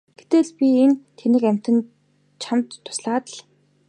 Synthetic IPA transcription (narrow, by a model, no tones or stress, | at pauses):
ɡ̥e̥t̪eːɮpʲient̪ʰenɘ̆kæm̥ʲt̪ɘ̆n | t͡ɕʰamt̪ʰːʊ̥sɮaːt̪ə̆ɮ